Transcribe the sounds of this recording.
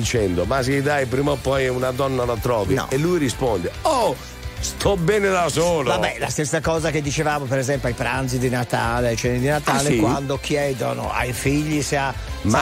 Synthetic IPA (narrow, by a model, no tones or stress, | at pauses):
it͡ʃɛnd̪omas̬iid̪ajpɾiːmopɔjunad̪ɔnːalat̪ɾɔːviɔ̰elːujɾispɔnd̪eɔ | st̪ʰɔbɛːned̪asoːlabɛla̰st̪esːakɔːzaked̪ːit͡ʃevaːmopeɾɛzɛmpjoajpɾant̪sid̪inat̪aːleajt͡ʃɛnːid̪inat̪aːlekwand̪okʰjɛːd̪ono̰a̰jfiʎːiseama